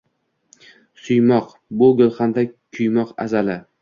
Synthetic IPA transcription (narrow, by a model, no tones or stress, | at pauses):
sʊjmɒq | bʊɡolˠχand̪akʲʰʊjmɒqa̰zalɪ